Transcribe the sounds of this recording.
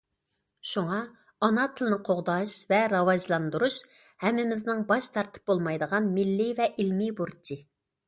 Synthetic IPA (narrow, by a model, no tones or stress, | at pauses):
ʃuŋɑ | ɑnɑt̪ʰɪlˠnɨqʰoʁd̪ɑʃvɛɾɑvɑʒlˠɑnd̪uɾuʃ | hɛmːɪmɪznɪŋbɑʃt̪ʰɑɾt̪ʰɨ̥p̚bolˠmɑjd̪əʁɑnmɪlːɪvɛʔilmibuɾt͡ʃʰi